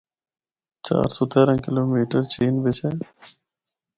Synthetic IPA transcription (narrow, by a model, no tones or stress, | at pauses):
t͡ʃa̰ːɾsoːt̪ʰeːɾə̃ːkɪloːmiːʈəɾt͡ʃiːnbɪt͡ʃʰeː